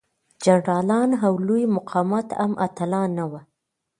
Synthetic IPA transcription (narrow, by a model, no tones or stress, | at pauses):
d͡ʒaɳɖɑlɑnɦawlujmʊqʰɑmat̪a̰mʔa̰t̪alɑnːawa